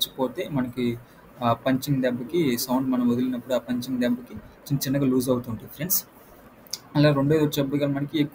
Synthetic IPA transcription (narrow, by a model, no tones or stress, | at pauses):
t͡ʃːi̥poːt̪e̞ːmɐnɐki | aːpɐɲt͡ʃiŋɡd̪ɛbːɐkisɐwɳɖmɐnɐmod̪ilinɐpːuɽuaːpɐɲt͡ʃiŋɡd̪ɛbːɐkit͡ʃiɐnt̪ɐt͡ʃinːɐɡaːluːzɐwut̪uːɳʈund̪ifʰɾens | ɐlaːɾoɳɖojd̪ot͡ʃɐbːɐɡaːlɐmɐnɐkiekː